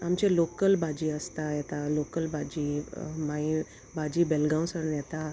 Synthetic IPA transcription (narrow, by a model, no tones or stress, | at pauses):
amt͡ɕelokəlbʱad͡ʑiːəst̪ajɛt̪alokəlbʱad͡ʑiːmai | bʱad͡ʑiːbɛlɡãw̃səɽnjɛt̪a